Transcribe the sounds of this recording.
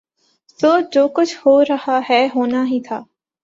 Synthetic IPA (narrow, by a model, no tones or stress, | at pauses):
soːd͡ʒoːkʊt͡ʃʰhoːɾɐhaɦɛːɦoːnaɦit̪ʰaː